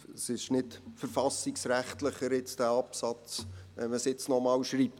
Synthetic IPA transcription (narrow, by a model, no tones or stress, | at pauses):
əsɪʃnɪtfəɾfɑsiksɾæχtləχəɾɪt͡sd̥æːɑpsɑt͡sʋɛ̰nməsɪt͡snɔmɑːwʃɾiːp̚